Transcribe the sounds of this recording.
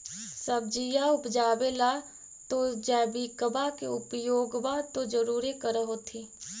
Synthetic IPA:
səb̚d͡ʒijaʊpd͡ʒaːbela | t̪od͡ʒɛːbikəbakeʊpjoːɡbat̪od͡ʒəɾuːɾikəɾəɦot̪ʰiː

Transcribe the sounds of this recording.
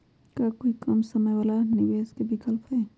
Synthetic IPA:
kakoːikɐmsɐməjwaːlanɪʋeːzkebʱikəlpɦɛː

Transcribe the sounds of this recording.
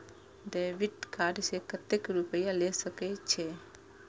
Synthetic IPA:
ɖeʋiʈkaɾsekət̪ːekɾupəjalesəkɛt͡ʃʰe

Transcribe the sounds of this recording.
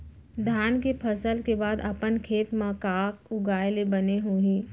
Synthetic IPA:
d̪ʱaːnkepʰəsəlkebaːd̪ɐpənkʰeːt̪mãkaːkʊɡaːjlebɐneɦũːɦĩː

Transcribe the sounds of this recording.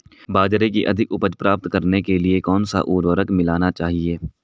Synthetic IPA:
baːd͡ʒɾekiʔɐ̰d̪ʱɪkʊpəd͡ʒpɾaːp̚t̪kɐɾnekeliekɔːnsa̰ʔuːɾʋəɾəkmɪlaːnat͡ʃaːɦieː

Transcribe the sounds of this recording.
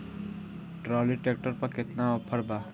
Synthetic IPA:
ʈɾɔːliʈek̚ʈəɾpɐkɪt̪naɔpʰəɾbaː

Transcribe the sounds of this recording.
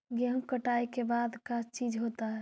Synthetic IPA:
ɡɛmkəʈajkebad̪kat͡ʃid͡ʒɦot̪aɦɛ

